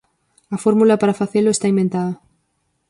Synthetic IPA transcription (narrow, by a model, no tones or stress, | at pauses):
ɐfoɾmulapaɾafaθeloest̪aimbẽnt̪aðɐ